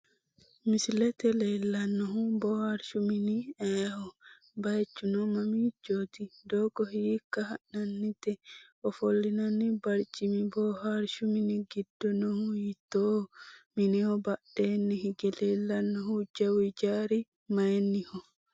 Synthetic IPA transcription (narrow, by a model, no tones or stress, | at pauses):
mislɛt̪ɛlɛjlanːɔɦubɔhaɾʃuminiɛhɔ | bajt͡ʃːunɔmamid͡ʒoːtidɔkɔhikːaɦananːitɛʔɔfolːinanːibaɾt͡ʃimibɔɦaɾʃuminiɡidːɔnɔhuujitɔminihɔbad̥ɛnːiɦiɡɛlɛlːanːɔhud͡ʒawid͡ʒaɾi | majnːihɔ